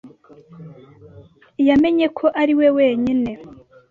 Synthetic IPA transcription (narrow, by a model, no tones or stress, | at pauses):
jame̞ɲe̞kʰo̞ʔaɾiwe̞we̞ːɲine̞